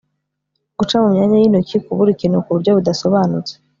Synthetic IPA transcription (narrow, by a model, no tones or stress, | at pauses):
ɡ̥ut͡ʃamumɲaːɲajiːnocikuβuɾikiːnhukuβuɾjo̞βudaso̞βaːnut͡se̥